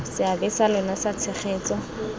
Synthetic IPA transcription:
sɪabɪsalʊnasat͡sʰɛχeːt͡sɔ

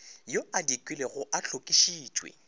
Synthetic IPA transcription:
joadikʼwɪleɣʊʔaɬʰokʼiʃiːt͡ʃʼwḛ

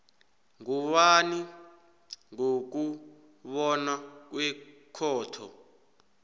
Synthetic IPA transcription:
ŋuwani | ŋok̬u | βɔnak̬wɛkʰɔːtʰɔ̰

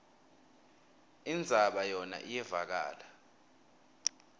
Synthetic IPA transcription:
ind͡zʱaɓajɔna̰ʔijɛvak̬a̰ːla

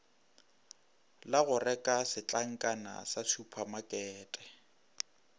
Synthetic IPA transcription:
laɣʊrɛkʼasɪt͡ɬʼaŋ̩kʼana̰sasʰupʰamakʼɛːtʼɛ̥

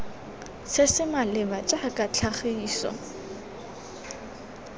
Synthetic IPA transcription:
sɪsɪmalɪbat͡ʃʼakʼat͡ɬʰaχiiːsɔ̰

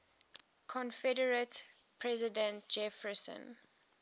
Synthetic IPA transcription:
kʰɔ̃nfɛdəɹət | pʰɹɛzɪdə̃nt̚d͡ʒɛfəsə̰̃n

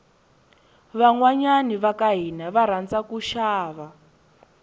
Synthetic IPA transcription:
βaŋwaɲaniβakaɦinaβaɾand͡zakuʃaːβa

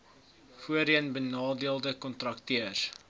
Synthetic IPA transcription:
fuəɾənbənɑːdiəlˠdəkɔntrɐk̚tiər

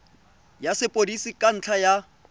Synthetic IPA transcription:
jasɪpʼodisikʼan̩t͡ɬʰaja

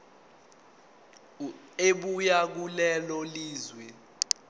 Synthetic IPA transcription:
eɓujak̬ulɛlɔliːzwɛ

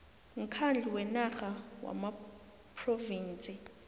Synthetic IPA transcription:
ŋ̩kʰand͡ɮʱiwɛnaχawa̰ma | pʰroviːnt͡sʼɪ

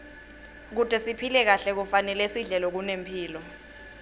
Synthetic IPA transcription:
k̬utʼɛsipʰilɛk̬aɬɛk̬ufanɛlɛsiɮɛlɔk̬unempʰiːlɔ

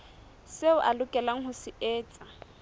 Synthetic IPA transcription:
seʊʔalʊkʼɛlaŋ̩hʊsɪɛːt͡sʼa

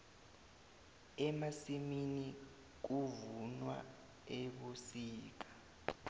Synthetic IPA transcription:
ɛmasimini | k̬uvunwa̰ | eɓusiːk̬ḁ

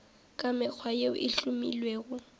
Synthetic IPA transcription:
kʼamɪk͡xʰwajeʊʔɪɬʼumḭlweːɣʊ

